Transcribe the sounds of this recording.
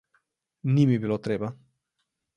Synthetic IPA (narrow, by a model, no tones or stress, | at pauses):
nimibiloːt̪ɾeːba